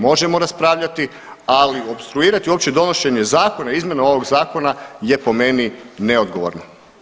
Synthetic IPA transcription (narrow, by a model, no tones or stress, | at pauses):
mo̞ʒemo̞ɾaspɾaːʋʎat̪i | alio̞bst̪ɾuiːɾat̪iuo̞pt͡ɕed̪o̞no̞ʃe̞ɲezaːko̞naizmje̞nao̞ʋo̞ɡzaːko̞naje̞po̞me̞nineo̞d̪ɡo̞ʋo̰ɾno